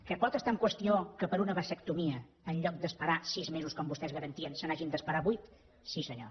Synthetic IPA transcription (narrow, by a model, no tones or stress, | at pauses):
kəpɔt̪əst̪aəŋkwəst̪iokəpəɾunəβəsəkt̪umiə | ənʎɔk̚d̪əspəɾasizmezuskɔmbust̪ɛzɣəɾənt̪iənsənaʒind̪əspəɾaβujt̪ | sisəɲo̰